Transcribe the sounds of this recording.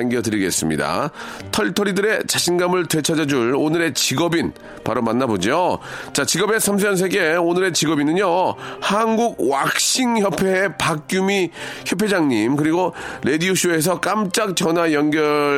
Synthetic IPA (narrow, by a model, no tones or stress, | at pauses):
aŋɡjʌdɯɾiɡe̞s͈ɯmɲḭda̰tʰʌɭtʰʌɾidɯɾe̞t͡ɕaɕʰinɡamɯɭtwet͡ɕʰʌd͡ʑad͡ʑuɭonɯɾe̞t͡ɕiɡʌbin | paɾomanːabod͡ʑiot͡ɕat͡ɕiɡʌbe̞sʰams̬ʰʌns̬ʰe̞ɡe̞onɯɾe̞t͡ɕiɡʌbinɯɲohanɡuɡ̚wak̚ɕ͈iŋçjʌpʰe̞pak̚k͈jumiçjʌpʰe̞d͡ʑaŋɲimkɯɾiɡoɾe̞diuɕʰue̞s̬ʰʌk͈amt͡ɕ͈ak̚t͡ɕʌnwajʌnɡjʌ